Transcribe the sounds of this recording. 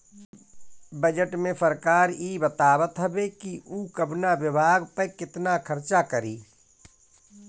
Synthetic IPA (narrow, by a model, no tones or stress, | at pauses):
bəd͡ʒəʈmẽsəɾkaːɾjibət̪aːbət̪ɦɛbekiʔuːkəbnaʋɪbʱaːɡpəɾkɪt̪nakʰəɾt͡ʃakəɾiː